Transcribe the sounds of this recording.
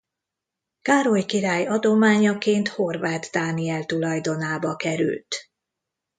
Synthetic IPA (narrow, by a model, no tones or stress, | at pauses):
kaːɾojkiɾaːjɒd̪o̞maːɲɒkeːnt̪ho̞rvaːt̪d̪aːniɛlt̪ulɒjd̪o̞naːbɒkɛɾy̰lt̪